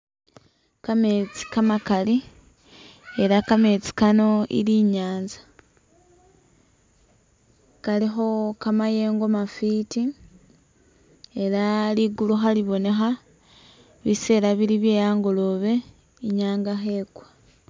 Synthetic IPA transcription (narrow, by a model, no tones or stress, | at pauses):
kame̞t͡si̥kamakali | e̞ɾakame̞t͡si̥kano̞ḭɾiːɲaːnzḁ | kalixo̞kamaje̞ːŋɡomafiːti | e̞ɾaliɡuluxaliβo̞ne̞xa | βise̞ːɾaβiɾiβje̞ːjaːŋɡo̞lo̞βe̞ | iɲaːŋɡaxe̞ːkwḁ